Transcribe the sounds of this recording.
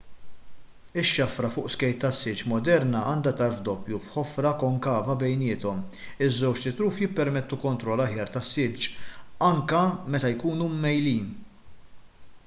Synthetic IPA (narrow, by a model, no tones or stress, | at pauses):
ɪʃːɐfɾɐfʊːʔskɛjt̪ːɐsːɪd͡ʒmɔd̪ɛɾnɐʔɐːnd̪ɐt̪ɐɾfd̪ɔpːjufħɔfɾɐkɔŋkɐːvɐbɛjnɪːt̪ɔmɪzːɛwt͡ʃt̪ɪt̪ɾuːfjɪpːɛɾmɛt̪ːukɔnt̪ɾɔlːɐħjɐːɾt̪ɐsːɪd͡ʒɐŋkɐmɛt̪ɐjkuːnumːɛjliːn